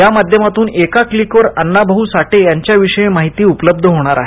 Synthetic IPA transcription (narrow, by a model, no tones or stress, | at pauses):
jamad̪ʱjəmat̪uːnekaklikʋəɾənːabʱəɦusaʈejaɲt͡ɕjaʋiʂəẽmaɦit̪iːupələb̚d̪ʱəɦoɽ̃aɾa̰ɦe